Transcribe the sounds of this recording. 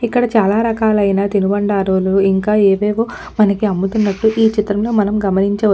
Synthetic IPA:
ikːɐɽɐt͡ʃaːlaːɾɐkaːlɐjnaːt̪inubɐɳɖaːɾuːluiŋkaːeːʋeːʋoː | mɐnɐkiɐmːut̪unːɐʈːuʔiːt͡ʃit̪ɾɐmlo̞ːmɐnɐmɡɐmɐniɲt͡ʃɐʋɐ

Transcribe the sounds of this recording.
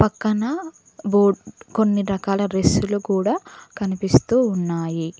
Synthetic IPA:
pɐkːɐnɐ | boːɖko̞nːiɾɐkaːlɐɾesulukuːɽaːkɐnipist̪uːnːaːji

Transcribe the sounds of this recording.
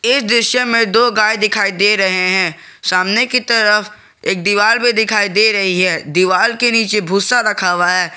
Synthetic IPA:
ɪsd̪ɪʃjəmẽd̪oːɡaːjd̪ɪkʰaːid̪eːɾɐɦeɦɛ̃ː | saːmnekit̪ɐɾəf | eːk̚d̪iʋaːlmẽd̪ɪkʰaːid̪eɾɐɦiɦɛːd̪iʋaːlkeniːt͡ʃebʱuːsaɾɐkʰaːʋaɦɛː

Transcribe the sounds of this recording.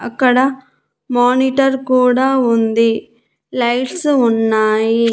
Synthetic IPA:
ɐkːɐɽɐ | maːniʈɐɾkuːɽaʊnd̪i | lɐjʈsʊnːaːji

